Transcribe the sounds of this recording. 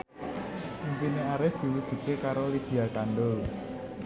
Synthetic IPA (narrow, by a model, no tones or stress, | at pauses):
umpineaɾɪfd̪̥i̤wud̥ʒ̥ṳt̪ekaɾolid̪̥i̤akaɳɖʊl